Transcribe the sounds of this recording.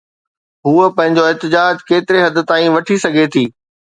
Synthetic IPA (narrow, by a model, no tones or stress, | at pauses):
ɦuːəpɐ̃ɦɪ̃ɲd͡ʑoɪɦt̪ɪd͡ʑaːd͡ʑkeːt̪ɪɾeɦɐd̪ɪ̆t̪aːĩʋɐʈʰisɐɡʱet̪ʰiː